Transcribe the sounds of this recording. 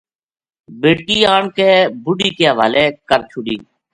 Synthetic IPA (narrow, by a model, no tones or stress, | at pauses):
beːɽkiːaːɳkeːbʊɖiːkeːɦəʋaːleːkəɾt͡ʃʰʊɽḭː